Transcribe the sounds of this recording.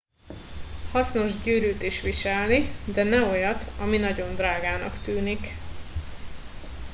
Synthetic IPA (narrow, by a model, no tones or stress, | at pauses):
hɒsno̞ʒɟyːɾyːt̪iʃʋiʃɛlnid̪ɛnɛo̞jɒt̪ɒminɒɟo̞nd̪raːɡaːnɒ̰kt̪yːnik